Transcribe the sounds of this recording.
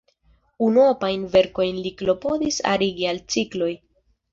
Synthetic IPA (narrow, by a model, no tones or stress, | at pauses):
unuopajnve̞ɾko̞jnliklo̞po̞disa̰ɾiɡialt͡siklo̞j